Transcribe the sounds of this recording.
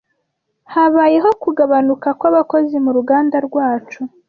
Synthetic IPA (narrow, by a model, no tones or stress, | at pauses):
haβaːje̞ɦo̞kuɡaβanukakwaβako̞zimuɾuɡaːndaɾɡwaːt͡ʃu